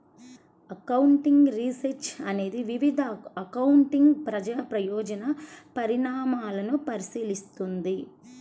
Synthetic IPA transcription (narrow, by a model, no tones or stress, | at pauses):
ɐkɐwuɳʈiŋɡɾisɐɾt͡ʃɐne̞ːd̪iʋiʋid̪ʱɐːkɐwuɳʈiŋɡpɾɐd͡ʒaːpɾɐjɔːd͡ʒɐnɐpɐɾiɳaːmaːlɐnupɐɾisiːlist̪und̪i